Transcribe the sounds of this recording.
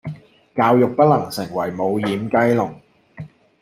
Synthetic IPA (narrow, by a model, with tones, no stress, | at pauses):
kaː˧wjʊ˨k̚pɐ˥t̚lɐ˨˩ŋsɪ˨˩ŋwɐ˨˩jmo˨˧wjiː˨˧mkɐ˥jlʊ˨˩ŋ